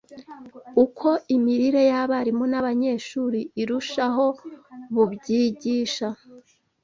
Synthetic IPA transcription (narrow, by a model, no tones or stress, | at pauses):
ukʰo̞ʔimiɾiɾe̞jaβaɾimonaβaɲe̞ʃuːɾiiɾuʃaɦo̞βubɟiːɟiːʃa